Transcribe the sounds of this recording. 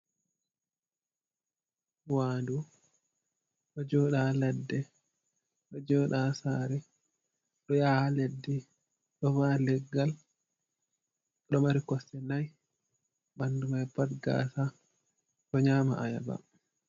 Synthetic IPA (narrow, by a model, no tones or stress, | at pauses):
waːndu | ɗɔd͡ʒɔːɗaːladːɛ | ɗɔd͡ʒɔːɗasaːɾɛ | ɗɔjaːhaledːi | ɗɔvaːlɛɡːal | ɗɔmaɾikɔsɛnaj | bandumajpadɡa̰ːsa | ɗɔɲaːma̰ʔaja̰ba̰